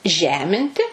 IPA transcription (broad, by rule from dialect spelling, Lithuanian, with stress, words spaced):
ˈʒʲæːmʲɪnʲtʲɪ